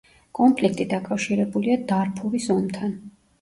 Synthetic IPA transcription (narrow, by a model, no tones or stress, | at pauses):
kʼɔmpʰlik̚ʰt̪ʼid̪akʼafʃiɾɛbuliad̪aɾpʰuɾisɔmt̪ʰan